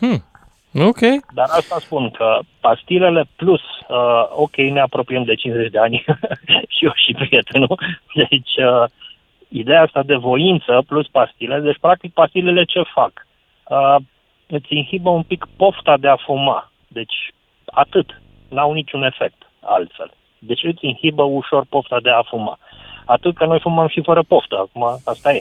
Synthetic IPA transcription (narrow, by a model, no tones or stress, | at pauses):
okʲejd̪aɾast̪aspunkʰəpast̪ile̞le̞plusəo̞̰kʲe̞jne̞apɾo̞piəmd̪e̞t͡ʃinze̞t͡ʃʲd̪e̞anʲ | ʃioʃipɾije̞t̪e̞nud̪et͡ʃʲə | id̪e̞aast̪ad̪e̞vo̞int̪səpluspast̪iled̪e̞t͡ʃʲpɾak̚t̪ik̚past̪ile̞le̞t͡ʃe̞fak | ə | ɨt̪sʲɨnhibəumpikpo̞ft̪ad̪e̞afuma̰ | d̪e̞t͡ʃʲ | a̰t̪ɨt̪ | nawnit͡ʃune̞fe̞k̚t̪ | a̰lt̪fe̞̰l | d̪e̞t͡ʃʲɨt̪sʲɨnhibəuʃo̞rpo̞ft̪ad̪e̞afuma̰ | at̪ɨt̪̚kəno̞jfuməmʃifəɾəpo̞ft̪əakumaast̪aje